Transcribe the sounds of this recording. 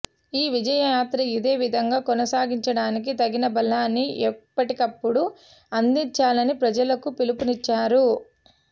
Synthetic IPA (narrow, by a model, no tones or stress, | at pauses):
iːʋid͡ʒɐjɐjaːt̪ɾɐid̪eːʋid̪ʱɐŋɡaːkɔnɐsaːɡiɲt͡ʃɐɽaːnik̬it̪ɐɡinɐbɐlːaːnːiʔɛpːɐʈikɐpːuɽu | ɐnd̪iɲt͡ʃaːlɐnipɾɐd͡ʒɐlɐkupilupunit͡ʃːaːɾu